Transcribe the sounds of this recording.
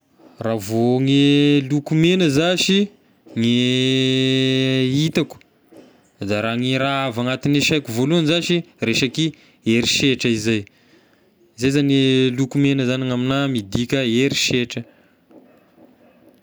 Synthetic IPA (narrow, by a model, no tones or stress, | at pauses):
ravoŋelukumenəzaʃi | ŋe | it̪aku̥ | d̪aɾaŋiɾaavaŋat̪ineʃajkuvoluanizaʃi | reʃaki | eɾiʃeʈ͡ʂəizaj | zejzanelukumenəzaniŋaminamid̪ikʲəeɾiʃeʈ͡ʂə